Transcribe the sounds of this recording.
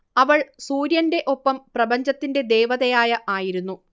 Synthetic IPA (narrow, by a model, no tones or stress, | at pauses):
ɐʋɐɭsuːɾjɐnde̞ʔo̞pːɐmprɐbɐɲd͡ʑɐt̪ːinde̞d̪e̞ːʋɐðɐjaːjɐʔaːjiɾunːu